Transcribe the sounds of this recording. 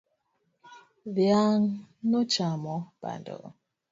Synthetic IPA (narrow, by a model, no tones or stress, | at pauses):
vjaŋnɔt͡ʃamɔb̥a̰ndɔ̰